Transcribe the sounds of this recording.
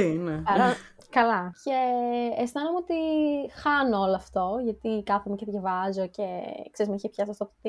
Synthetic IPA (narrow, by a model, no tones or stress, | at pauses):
ineɐɾɐ | kɐlɐceesnɐnomot̪ixɐnooloɐft̪o̞ʝɐt̪ikɐpʰomiceðʝɐvɐzo̞cekseɾizmeçepçɐst̪ɐst̪opot̪i